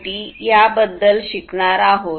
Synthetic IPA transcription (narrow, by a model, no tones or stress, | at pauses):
ʈijabəd̪ːəlɕikɳaɾaɦo